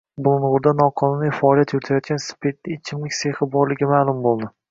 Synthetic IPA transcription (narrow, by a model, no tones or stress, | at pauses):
bʊlˠʊnʁʊɾd̪anɒqʰɒnunifaɒlˠijat̪ʰjʊɾɪt̪ʰajɒt̪̚ɡʲanspʰet̪̚nɪt͡ʃʰɪmlɪkʲse̞hɪbɒɾlɪɡʲɪmalˠʊmbolˠd̪ɪ